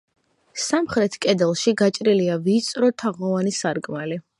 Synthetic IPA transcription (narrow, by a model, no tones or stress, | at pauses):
samχɾɛt̪ʰkʼɛd̪ɛlˠʃiɡat͡ʃʼɾiliavit̪sʼɾɔt̪ʰaʁɔvanisaɾkʼmali